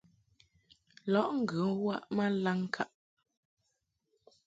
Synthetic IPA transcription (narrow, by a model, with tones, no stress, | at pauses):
lɔ˨˦ʔŋ̩˦˨ɡʉ˨˦wa˦ʔma˦la˦ŋ˦kʰa˦ʔ